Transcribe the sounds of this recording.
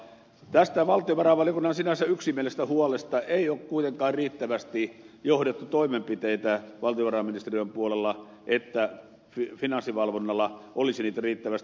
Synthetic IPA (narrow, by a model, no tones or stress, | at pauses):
t̪æst̪æʋɑlt̪ioʋɑrɑʋɑljokunːɑnsinæsæyksimielest̪æhuolest̪ɑʔeˑiokkuit̪eŋkɑːrriːt̪ːæʋæst̪ijohdet̪ːut̪oimempit̪eit̪æʋɑlt̪ijoʋɑrɑminist̪erioempuolelːɑ | ʔet̪ːæ | fifinɑnsːiʋɑlʋonːɑlːɑʔolisiniːt̪æriːt̪ːæʋæst̪